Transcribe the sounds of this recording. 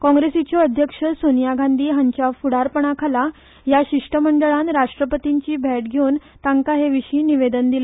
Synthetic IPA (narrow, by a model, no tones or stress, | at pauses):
kɔ̃ŋɡɾesit͡ɕoəd̪ʱjəkʂəsonjaɡʱãnd̪iːɦaɲt͡ɕjafuɽaɾpəɳ̃akʰala | jaɕiʂʈəməɳɖəɭãnɾaʂʈɾəpət̪iɲt͡ɕiːbʱɛʈɡʱeuːn | t̪ãŋkaɦeʋiɕiːniʋed̪ənd̪ile